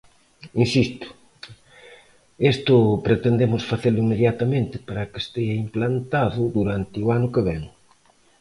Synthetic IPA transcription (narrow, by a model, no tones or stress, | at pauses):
insist̪ʊ̥ | est̪ʊpɾet̪end̪emʊsfaθelʊimːeðjat̪ɐmẽnt̪ɪpaɾɐkest̪eʝɐimplant̪aðʊd̪uɾant̪ɪʊanʊkeβɛŋ